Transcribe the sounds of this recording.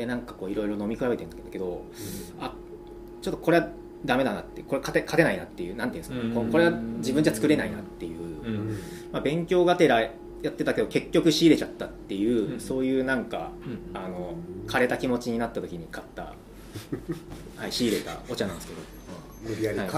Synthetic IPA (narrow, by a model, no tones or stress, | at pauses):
d̪enãŋkako̞ːiɾo̞iɾo̞no̞mʲikɯ̟ɾaβbe̞t̪e̞nnake̞d̪o̞ | a | t͡ɕo̞t̪ːoko̞ɾe̞a | d̪ame̞d̪anat̪ːeko̞ɾekʰat̪ekʰat̪e̞nainat̪ːe̞jɯ̟ːnãnt̪ĩːnsɨkakoko̞ɾe̞ad͡ʑibɯ̟ɲ̟d͡ʑat͡sɨ̥kɯ̟ɾe̞nainat̪ːe̞jɯ̟ː | mabẽ̞ŋkʲo̞ːɡat̪e̞ɾa | jat̪ːe̞t̪ake̞d̪o̞ke̞kʲːo̞kɯ̟ɕiːɾe̞t͡ɕat̪ːat̪ːe̞jɯ̟ːso̞ːjɯ̟ːnãŋka̰ano̞kʰaɾe̞t̪akʲimo̞t͡ɕiɲ̟inat̪ːat̪okʲiɲ̟ikat̪ːa̰ | haiɕiːɾe̞t̪a̰o̞t͡ɕanãndesɨ̥ke̞d̪o̞̰ | ha